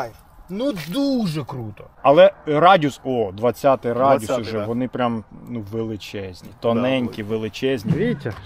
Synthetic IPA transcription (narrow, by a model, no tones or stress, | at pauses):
nud̪uʒɛkɾut̪ɔɐlˠɛɾɑdʲusɔd̪ʋɐt͡sʲːat̪ɪjɾɑdʲusʊʒɛʋɔnɪpɾʲamnuʋelˠɪt͡ʃɛzʲnʲit̪ɔnɛnʲkʲiʋelˠɪt͡ʃɛzʲnʲiʋʲiɐ